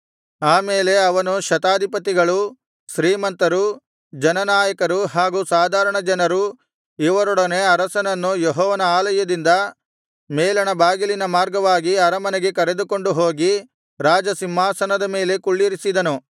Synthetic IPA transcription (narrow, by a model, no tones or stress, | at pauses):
aːme̞ːle̞ɐʋɐnuʃɐt̪aːd̪ʱipɐt̪iɡɐɭu | ʃɾiːmɐnt̪ɐɾu | d͡ʒɐnɐnaːjɐkɐɾuɦaːɡuːsaːd̪ʱaːɾɐɳɐd͡ʒɐnɐɾu | iʋɐɾɔɽɐne̞ɐɾɐsɐnɐnːujeɦɔːʋɐnɐaːlɐjɐd̪ind̪ɐ | meːlɐnɐbaːɡilinɐmaːɾɡɐʋaːɡiɐɾɐmɐneɡe̞kɐɾe̞d̪uko̞ɳɖuɦo̞ːɡi | ɾaːd͡ʒɐsimːaːsɐnɐd̪ɐme̞ːle̞kuɭːiɾisid̪ɐnu